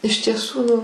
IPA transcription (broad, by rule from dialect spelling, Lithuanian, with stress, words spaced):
ɪʃ tʲiɛˈsuː